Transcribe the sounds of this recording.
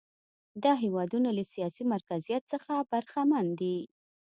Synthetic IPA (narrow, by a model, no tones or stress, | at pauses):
d̪ɑɦewɑd̪unoləsijɑsimaɾkazijat̪səxabaɾxamand̪i